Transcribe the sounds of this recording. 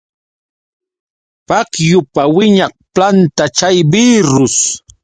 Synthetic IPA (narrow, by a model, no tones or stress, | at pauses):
pakjʊpawɪɲɑχ̚plant̪at͡ʃajbiːɾʊs